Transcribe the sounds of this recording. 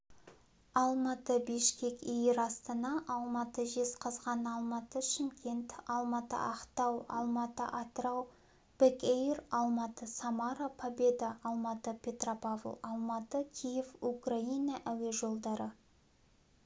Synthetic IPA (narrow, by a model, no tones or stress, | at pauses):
ɑlˠmɑt̪əbeʃkʲe̞kʲijɪɾɑst̪ənɑʔɑlˠmɑt̪əʒe̞sqʰɑzʁɑnɑlˠmɑt̪əʃɪmkʲʰe̞nt̪ɑlˠmɑt̪ə̰ʔɑqt̪ɑwɑ̰lˠmɑt̪ə̰ʔɑt̪rɑw | b̥ɪkejrɑlˠmɑt̪əsamɑɾapʰabe̞d̪ɑɑlˠmɑt̪əpʲʰe̞t̪ropavlˠɑlˠmɑt̪əkʲʰijefukrainɑʔæwe̞ʒo̞lˠd̪ɑɾə